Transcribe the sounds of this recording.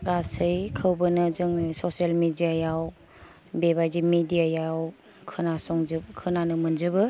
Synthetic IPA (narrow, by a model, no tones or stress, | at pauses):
ɡasɯjkʰɯwbɯnɯzɯŋsɔsielmedijajaw | bebajzimedijajaw | kʰɯnasɔŋzɯkʰɯnanɯmɯnzɯbɯ